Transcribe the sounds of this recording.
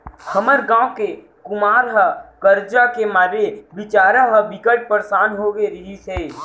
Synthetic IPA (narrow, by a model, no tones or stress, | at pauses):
həməɾɡãːke | kʊmaːɾɦəkəɾd͡ʒakemaːɾeʋɪt͡ʃaːɾaɦəʋɪkəʈ̚pəɾsaːnɦoɡeɾəiseː